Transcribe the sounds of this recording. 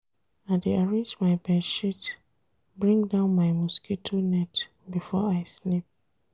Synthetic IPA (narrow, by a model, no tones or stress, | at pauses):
ãdeaɹẽnd͡ʒmaɪjbɛʃit | bɹĩŋdãʊ̃nmaɪmuskʰitʰonɛt | bifɔaɪslip̚